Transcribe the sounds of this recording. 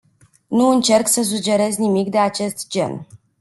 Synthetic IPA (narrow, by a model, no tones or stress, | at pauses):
nuɨnt͡ʃe̞rksəs̬ud͡ʒe̞ɾe̞zʲnimikd̪e̞at͡ʃe̞st̪d͡ʒe̞̰n